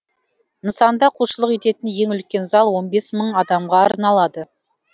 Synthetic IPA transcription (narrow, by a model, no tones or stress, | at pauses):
nəsɑnd̪ɑqʰulˠʃəlˠəqe̞t̪e̞t̪ɪnje̞ŋʏlkʲe̞nzɑlˠwo̞nbe̞sməɴɑd̪ɑmʁɑːɾnɑlˠɑd̪ə